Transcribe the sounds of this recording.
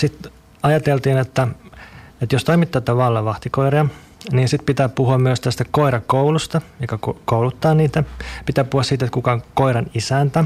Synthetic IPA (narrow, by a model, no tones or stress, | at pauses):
sit̪ | ɑjɑt̪elt̪iːnet̪ːæ | et̪jost̪oimit̪ːɑːt̪ːɑʋɑlːɑʋɑht̪ikoiriɑ | niːnsit̪pit̪æːpuhuɑmmyøst̪æst̪ækoirɑkoulust̪ɑjokːɑkkoulut̪ːɑːniːt̪æpit̪æːppuhŭɑsiːt̪et̪kukɑŋkoiɾɑnisænt̪æ